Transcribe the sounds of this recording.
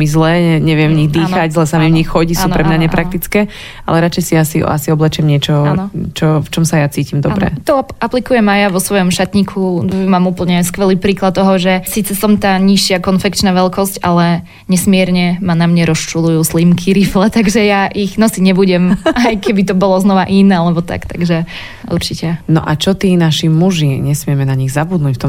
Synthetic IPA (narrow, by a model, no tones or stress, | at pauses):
mizlɛːɲɛɲɛʋɪɛmvɲiɣd̪iːxaɟzlɛsamimvɲixxɔɟisuːnpɾɛmɲaɲɛpɾak̚t̪it͡skɛː | a̰lɛɾat͡ʃɛjsiasḭa̰siɔblɛt͡ʃɪɛmɲɪɛt͡ʃɔnt͡ʃɔft͡ʃɔmsajat͡siːcimd̪ɔbɾɛ̰t̪ɔaplikujɛmajaʋɔsʋɔjɔmʃat̪ɲikʰumaːmupl̩ɲɛskʋɛliːpɾiːklˠat̪̚t̪ːɔɦɔʒɛsiːt͡sɛsɔmt̪aːɲiʃɪakɔnfɛkt͡ʃnaʋɛlkɔscalɛ | ɲɛsmɪɛɾɲɛmanamɲɛɾɔst͡ʃulujuːslimkʰiɾiflɛt̪aɡʒɛjaʔiɣnɔsiɲɛbuɟɛmajkɛbit̪ɔbɔlɔznɔʋaʔinɛalɛbɔt̪a̰kt̪a̰ɡʒɛ | ṵɾt͡ʃicɛnɔ̰ʔat͡ʃɔt̪iːnaʃimuʒiɲɛsmɪɛmɛnaɲiɣzabud̪nuːcft̪ɔm